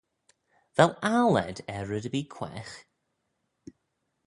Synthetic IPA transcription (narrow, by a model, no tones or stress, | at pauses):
vɛlˠalˠɛ̰dɛɹədəbiːkʰw̥ɛ̰x